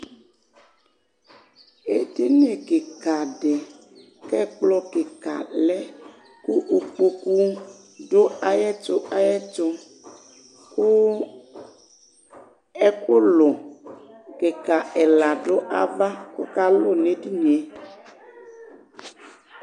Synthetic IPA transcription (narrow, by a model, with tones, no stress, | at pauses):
e˨di˦nĩ˦e˨ke˨ka˨ɖe˨ | kɛ˦k͡plɔ˦ke˨ka̰˨lɛ˦ | ku˦ʔo˨k͡po˦ku˦ | ɖo˦a˨jɛ˦t͡ʃo˦ʔa˦jɛ˦t͡ʃo˦ | ku˦ | ɛ˦ku˦lo˨ | ke˨ka˨ɛ˨la˨ɖo˦ʔa˦va˦ko̰˦ka˦lo˦˨ne˦di˦nĩ˨e˨